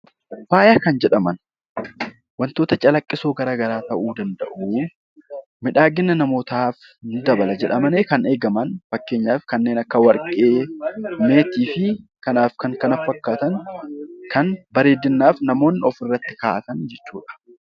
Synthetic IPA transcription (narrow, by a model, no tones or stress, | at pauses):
faːjaːkɐnd͡ʒɛᶑɐmɐn | wɐnt̪o̞ːt̪ɐt͡ʃʼɐlɐkʼːɪso̞ːɡɐɾaːɡɐɾaːt̪ɐʔuːd̪ɐnd̪ɐ̰ʔu | mɪᶑaːɡɪnːɐnɐmo̞ːt̪aːf | nʊd̪ɐbɐlɐd͡ʒɛᶑɐmɐneːkɐne̞ːɡɐmɐnfɐkːe̞ːɲːaːfkɐnːe̞ːnɐkːɐwɐɾkʼeːme̞ːt̪iːfɪkɐnaːfkɐŋkɐnɐfːɐkːaːt̪ɐŋ | kʰɐnbɐɾe̞ːd̪ːɪnːaːfnɐmo̞ːnːɪɔfɪrːɐt̪ːɪkaːʔɐt̪ɐnd͡ʒɛt͡ʃːuːᶑɐ̥